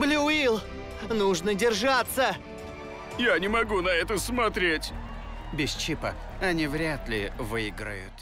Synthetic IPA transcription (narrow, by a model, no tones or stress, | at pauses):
blʲuʊilˠ | nuʐnədʲɪrʐat̪sə | janʲɪmɐɡunɐɛt̪əsmɐt̪ɾʲetʲ | bʲɪst͡ɕipə | ɐnʲivɾʲat̪lʲɪvɨɪɡɾə̰jʊ̰t̪